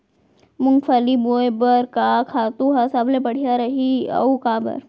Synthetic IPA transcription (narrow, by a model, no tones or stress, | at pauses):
mʊŋfʰəlibojbəɾkakʰaːt̪ũɦɐsɐblebɐɽ̤ijaɾɐɦiɐ̰ukãːbɐ̰ɾ